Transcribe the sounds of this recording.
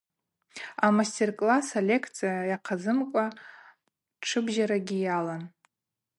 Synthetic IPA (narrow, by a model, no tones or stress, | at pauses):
amastʰʲerkʼlasalʲe̞kʰt͡sʰijajaqʰazɨmkʷʼa | ʈ͡ʂʰɨbʒaɾaɡʲijalan